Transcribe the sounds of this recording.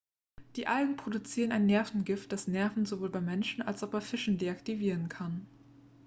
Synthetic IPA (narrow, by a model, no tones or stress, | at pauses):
d̥iːʔalɡŋ̩pʁ̥odut͡siːʁ̞ənaɪnːɛɐfn̩ɡɪft̚d̥asnɛɐfn̩zovoːlbaɪmɛnʃn̩alsaʊχb̥aɪfɪʃn̩deːaktiviːʁənkʰan